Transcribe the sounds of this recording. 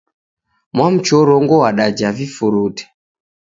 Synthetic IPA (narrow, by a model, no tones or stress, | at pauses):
mwam̩t͡ʃɔɾɔŋɡɔwaɗad͡ʒavifuɾutɛ̥